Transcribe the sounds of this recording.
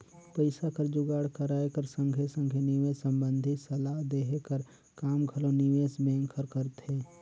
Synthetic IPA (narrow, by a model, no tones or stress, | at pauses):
pəɪsakəɾd͡ʒʊɡaːɽkəɾaːekəɾsə̃ŋɡʱesə̃ŋɡʱenɪʋeːsə̃mbə̃nd̪ʱisəlaɦd̪eːɦekəɾ | kaːmɡʱəlonɪʋeːsbẽːŋkʰəɾkəɾt̪ɦeː